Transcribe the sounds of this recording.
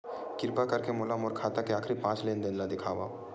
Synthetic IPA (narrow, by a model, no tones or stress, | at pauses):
kɪɾpakɐɾkemoːlamoɾkʰaːt̪akeaːkʰɾipãːt͡ʃleːnd̪eːnlad̪ɪkʰaːʋa